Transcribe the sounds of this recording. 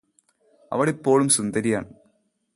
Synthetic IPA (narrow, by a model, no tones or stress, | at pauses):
ɐ̰ʋɐɽipːo̞ːɭumsund̪ɐɾijaːɳɨ